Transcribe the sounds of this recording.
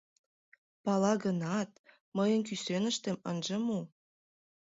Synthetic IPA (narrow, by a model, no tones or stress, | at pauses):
pɑlɑɣənɑt̪̚ | məjə̆nk̬ysenə̆ʃt̪ĕmənʒə̆mu